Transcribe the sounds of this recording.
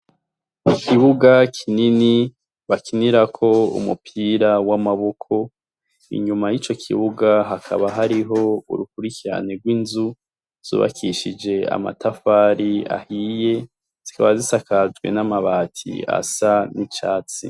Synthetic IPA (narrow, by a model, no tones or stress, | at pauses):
ikʰiβuɡakʰinini | βakʰiniɾakʰo̞ṵmṵpʰiːɾawamaβo̞kʰo̞ | ḭɲumajit͡ʃo̞kʰḭβuɡaɦakʰa̰βaɦaɾiɦo̞ṵɾukuɾikiɾa̰neɡwinzu | z̥ṵːβa̰kʰiʃid͡ʒe̞a̰ma̰tʰafaɾia̰hije̞ | z̥ikaβazisakad͡ʒɡwe̞̰namaβaːtʰḭa̰sanit͡ʃa̰ːt͡sḭ